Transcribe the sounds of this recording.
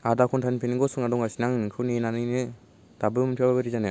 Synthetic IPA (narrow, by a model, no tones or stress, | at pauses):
adakʰuntʰanpʰeniŋɡɔsuŋadɔŋasinaŋnɯŋkʰɯnenanɯjnɯ | tabɯmɯtʰiwababɯɾizanɯ